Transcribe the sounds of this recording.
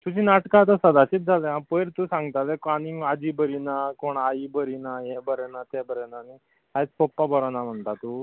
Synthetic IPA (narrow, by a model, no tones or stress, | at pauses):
t̪ud͡ʑinaʈkãt̪əsəd̪at͡ɕit̪̚d͡zʱaleãpəjɾt̪usãŋɡt̪alekaniŋɡad͡ʒibəɾinakoɳaibəɾinaɦebəɾenat̪ebəɾenani | ajt͡spɔpːabɔɾɔnam̤əɳt̪at̪u